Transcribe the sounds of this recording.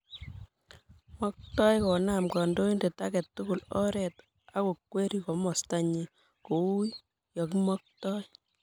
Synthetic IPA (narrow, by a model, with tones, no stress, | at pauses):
mɔ˦k̚tɔ˦jkɔ˨namkɔ˨ndo˦inde˨ta˦kɛ˨tːʊkʊ˨lɔ̰˦ɾɛt | a˦ko˨kwe˦ɾi˨kɔ˨mɔ˨sta˦ɲi˨ | ko˨wu˦j | jɔ˨kmɔ˦k̚tɔ˦j